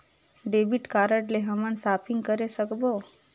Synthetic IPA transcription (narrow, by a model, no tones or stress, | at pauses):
ɖebiʈkaːɾəʈleɦəmənsaːpʰĩŋɡkəɾesəkbo